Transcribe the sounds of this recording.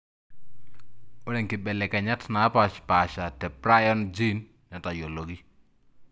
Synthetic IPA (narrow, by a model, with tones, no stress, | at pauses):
ʊ˦ɾɛ˨ŋkɪ˨bɛ˨lɛ˨ka˨ɲa˦tna˨˦pa˨t͡ʃpa˨ʃa˨tɛ˨pɾa˦jɔ˦nd͡ʒi˦n | ɲa˨ta˨jo˨lo˨ɡi˦